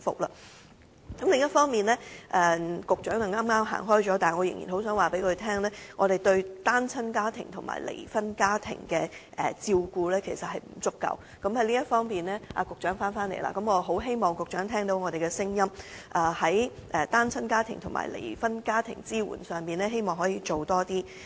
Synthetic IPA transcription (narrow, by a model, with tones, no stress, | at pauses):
fʊ̰˨k̚la̰˧˩ | kɐ˨˦˥mlɪ˨ŋjɐ˥tfɔː˥ŋmiː˨nlɛː˥ʔɛː˨kʊ˨k̚t͡ʃœː˨˥ŋɐ˨˩ŋaː˥mŋaː˥mɦa̰ː˨˩ŋɦɔː˥jt͡ʃɔː˨˥t̪aː˨˩ŋɔ˨˧jɪ˨ŋjḭ˨nho˨˥wsœː˨˥ŋwaː˨˩pe˨˥jkʰɵ˨˧ɥt̪ʰɛː˥ŋlɛː˥ŋɔː˨˧ɾe˨jt̪ɵ˧ɥt̪aː˥nt͡sʰɐ˥nkaː˥t̪ʰɪ̰˨˩ŋt̪ʰʊ˨˩ŋma̰ː˨˩jlḛ˨˩jfɐ˥nkaː˥t̪ʰɪ̰˨˩ŋkɛ˧ʔɛ̰˨t͡siː˧wkuː˧lɛː˥kʰe˨˩jsɐ˨t̚hɐ˨jm̩˨˩t͡sʊ˥kːɐ̰˨w | kɐ˨˥mhɐ˨˥jliː˥jɐ˥t̚fɔː˥ŋpiː˨˩nlɛː˥ʔa̰˧kʊ˨k̚t͡ʃœː˨˥ŋfaː˥nfaː˥nle˨˩jla̰ː˧˩kɐ˨˥mŋɔː˨˧ɦo˨˥wɦe˥jmɔː˨ŋkʊ˨k̚t͡ʃœː˨˥ŋt̪ʰɛː˥ŋt̪o˨˥wŋɔː˨˧ɾe˨jkɛ˧sɪ˥ŋjɐ˥mʔaː˨˩hɐ˨˥jʔɛ˨t̪aː˥nt͡sʰɐ˥nkaː˥t̪ʰɪ˨˩ŋt̪ʰʊ˨˩ŋma̰ː˨˩jlʔḛ˨˩jfɐ˥nkaː˥t̪ʰɪ̰˨˩ŋt͡siː˥wṵː˨˩nsœː˨ŋpiː˨nlɛː˥ɦe˥jmɔː˨ŋɦɔː˨˥jiː˧t͡ʃo˨wt̪ɔː˥t̪iː˥